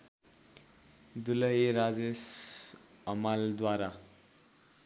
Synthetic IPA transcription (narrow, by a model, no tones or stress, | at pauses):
d̪ulʌjeɾad͡zes | ʌmald̪waɾa